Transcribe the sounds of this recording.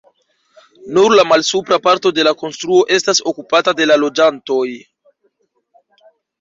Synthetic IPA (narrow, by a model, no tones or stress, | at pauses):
nuɾlamalsupɾapaɾto̞de̞lako̞nstɾuo̞ʔe̞staso̞kupatade̞lalo̞d͡ʒanto̞j